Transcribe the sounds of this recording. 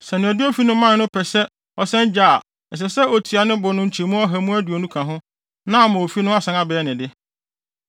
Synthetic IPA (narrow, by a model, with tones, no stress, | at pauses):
sɛ˨nɪ̃˨ɔ˨dɪ˦o˦fi˦nʊ̃˦mːã˦n˨nʊ̃˦pʰɛ˨sɛ˦ | ɔ˨sɛ̃˦nd͡ʑa̰˦˨ | ɛ˨s̬ɛ˨sɛ˦o˨tʰi˨a˨nɪ̃˦bʊ˨nʊ̃˦ɲ̩˦t͡ɕʰi˨mũ˦ɔ˦ɦæ˨mũ˦æ˦du˨o˨nũ˦kʰã˨ɦʊ̃˦ | nã˦˨mã˨o˨fi˦nʊ̃˦a˦sã˨na˦bɛ˨ɛ˦nɪ̃˨dɪ˦